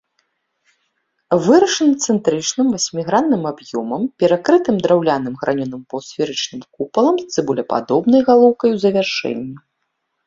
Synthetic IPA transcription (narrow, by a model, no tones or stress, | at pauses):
vɨɾɐʂɨnɨt̪sɛnt̪ɾɨt͡ʂnɨmvasʲmʲiɣɾanːɨmabjɔmɐmpʲɛɾakɾɨt̪ɨmd̪ɾawlʲanɨmɣɾʔanʲɔnɨmpɐwsfʲɛɾɨt͡ʂnɨmkupɐlˠɐmst̪sɨbulʲɛpa̰d̪ɔbnɐjɣalˠɔwkɐjwzɐvʲarʂɛ̰nʲːi